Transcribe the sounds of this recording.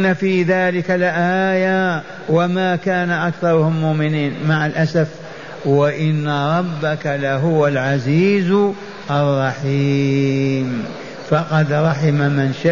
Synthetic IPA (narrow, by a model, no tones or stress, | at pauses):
nːafiːðaːlɪkalʔaːja | wamaːkaːnaʔakθɑɾˤʊhʊmːʊʔmɪniːnmaʕalʔasaf | waʔɪnːaɾˤɑbːakalaɦʊwalʕaziːz | ʔɑrˤːɑħiː | m | fɑqɑd̪ɾˤɑħɪmamɪnʃa